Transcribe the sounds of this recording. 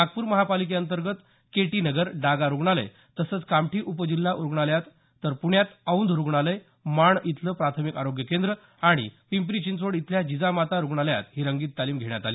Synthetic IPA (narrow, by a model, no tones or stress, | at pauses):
mak̚puːɾməɦapalik̬eənt̪əɾɡət̪ | keʈiːnəɡəɾɖaɡaɾuɡɳalə̰ | t̪əsət͡skamʈʰiːʔupəd͡ʑilːaʔuɾɡɳaljat̪ː | əɾpuɳjat̪aund̪ɾuɡɳ̃aləj | maɳit̪ləpɾat̪ʰəmikaɾoɡjəkend̪ɾə | aɽ̃ḭpimpɾit͡ɕint͡sʋoɽit̪ljad͡ʑid͡zamat̪aɾuɡɳalja̰t̪ɦiːɾəŋɡiːt̪ːaliːmɡʱeɳjat̪aliː